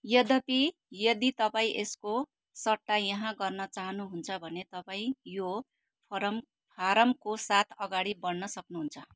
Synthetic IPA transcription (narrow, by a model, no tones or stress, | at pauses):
jʌd̪ʌpi | jʌd̪it̪ʌpaĩʔesko | sʌʈːajʌɦãɡʌrnʌt͡saɦʌnuɦunt͡sʰʌbʱʌnet̪ʌpaĩjo | pʰʌɾʌm | pʰaɾʌmkosat̪ʰʌɡaɽibʌnːʌsʌknuɦunt͡sʰʌ